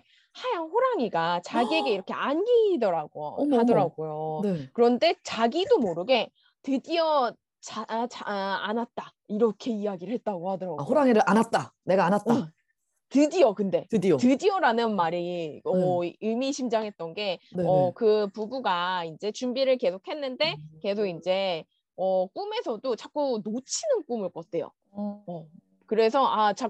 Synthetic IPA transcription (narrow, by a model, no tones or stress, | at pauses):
hajaŋɸoɾaŋiɡat͡ɕaɡieɡe̞iɾʌkʰe̞anɡidʌɾaɡohadʌɾaɡojonkɯɾʌnde̞t͡ɕaɡidomoɾɯɡe̞ | tɯdiʌ | t͡ɕat͡ɕanat̚t͈a | iɾʌkʰe̞ijaɡiɾɯɭhet̚t͈aɡohadʌɾaɡoɾaŋeɾɯʔanat̚t͈ane̞ɡaːnat̚t͈a | tɯdiʌkɯnde̞tɯdiotɯdiʌɾanɯnmaɾiʌɯmiɕʰimd͡ʑaŋɦe̞t̚t͈ʌnɡe̞neʌkɯpubuɡaind͡ʑe̞t͡ɕumbiɾɯɭke̞sʰok̚ʰhe̞nːɯnde̞ke̞sʰoɡind͡ʑe̞ | ʌk͈ume̞sʰʌdot͡ɕak͈unot͡ɕʰinɯnk͈umɯɭk͈ʌt͈e̞jo̰ | ʌ | kɯɾe̞sʰʌat͡ɕa